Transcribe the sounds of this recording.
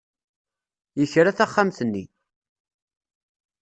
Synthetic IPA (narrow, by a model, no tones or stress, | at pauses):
jəçɾaθaχːamθənːi